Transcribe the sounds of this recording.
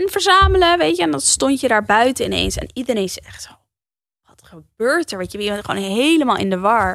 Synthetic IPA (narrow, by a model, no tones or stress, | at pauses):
ɛnvəɹzaːmələʋejtjəɛndɑnstɔntjədaːɹbœɥtəɪnḛjnsɛ̰nidəɾejnsɛχto | ʋɑtχəb̥øːɹtɛɹʋejjəbɛtχəʋo̰wnɦejləmaːlˠɪ̰ndəʋɑɹ